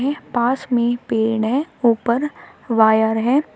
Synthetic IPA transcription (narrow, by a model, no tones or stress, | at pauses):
ɦɛ̃paːsmẽpeːɳɦɛ̃uːpəɾʋaːjəɾɦɛ̃ː